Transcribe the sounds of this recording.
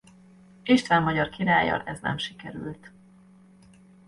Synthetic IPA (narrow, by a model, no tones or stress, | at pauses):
iʃt̪ʋɛmːɒɟɒrkiɾaːjɒ̰ʔɛznɛ̰mʃikɛɾylt̪